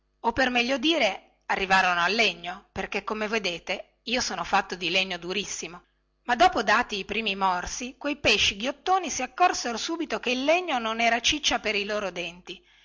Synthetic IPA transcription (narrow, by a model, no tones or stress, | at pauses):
opːermɛʎːod̪iːɾe | arːivaːɾonoalːeɲːoperkekːomeved̪eːt̪e | iːosoːnofat̪ːod̪ileɲːod̪uɾisːimo | mad̪ɔːpod̪aːt̪iːpɾiːmimɔrsikwejpeʃːiɡjot̪ːoːnisiakːɔrseɾosuːbit̪okeilːeɲːononɛːɾat͡ʃit͡ʃːapeɾiloːɾod̪ɛnt̪i